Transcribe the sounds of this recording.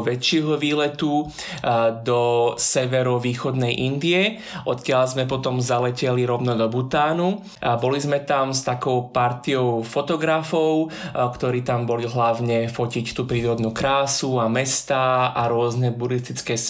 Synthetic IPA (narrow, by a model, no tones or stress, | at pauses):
ʋɛt͡ʃɪɛɦɔʋiːlɛt̪u | d̪ɔsɛʋɛɾɔʋiːxɔd̪nɛjʔind̪iɛ | ʔɔt̪kɪalzmɛpɔt̪ɔmzalɛcɛliɾɔʊnɔd̪ɔbut̪aːnu | abɔlizmɛt̪amst̪akɔʊpaɾt̪iɔʊfɔt̪ɔɡɾafɔʊkt̪ɔɾiːt̪ambɔliɦlaʊɲɛfɔcict̪uːpɾiːɾɔd̪nuːkɾaːsuamɛst̪aːaɾʊɔznɛbuɾist̪it͡skɛːs